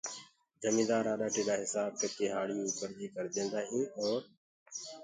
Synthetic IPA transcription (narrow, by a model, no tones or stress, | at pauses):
d͡ʒəmĩːd̪aːɾaːɗaːʈiːɗaːɦɪsaːb̚kəkeːɦaːɽiːuːpəɾd͡ʒiːkəɾd̪ẽːnd̪aːɦĩːɔːɾ